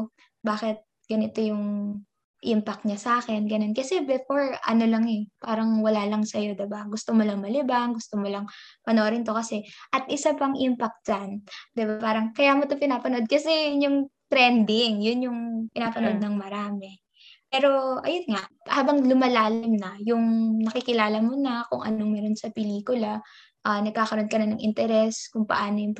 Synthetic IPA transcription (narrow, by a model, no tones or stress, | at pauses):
baːkɛt̪̚ | ɡ̥ɐnɪt̪o̞jʊŋ | ʔimpɐk̚t̪̚ɲasaːkɛnɡɐno̞nkɐsɛbɛfoɹʔɐ̰no̞lɐŋɛpaːɾɐŋwɐlaːlɐŋsɐjo̞d̪ɪbaɡʊst̪omolɐŋmɐlɪbaŋɡʊst̪omolɐŋpɐnoɾɪnt̪o̞kɐsɛʔɐt̪̚ʔɪsapɐŋʔimpɐk̚t̪̚d͡ʒand̪ɪbapaːɾɐŋkɐjaːmot̪opɪnaːpɐno̞d̪̚kɐsɛjʊnjʊŋt̪ɾɛnd̪ɪŋjʊnjʊŋpɪnaːpɐno̞d̪̚nɐŋmɐɾaːmɛ | pɛːɾo̞ʔɐjonŋaʔhaːbɐŋlʊmɐlaːlɪmnɐjʊŋnɐkɪkɪlaːlɐmonɐkʊŋʔɐ̰noŋmɛːɾo̞nsɐpɛliːkʊlɐ | ʔanɐɡ̚kaːkɐɾo̞nkɐnɐnɐŋʔɪ̰nt̪ɛɾɛskʊŋpɐ̰ʔaːnojʊŋ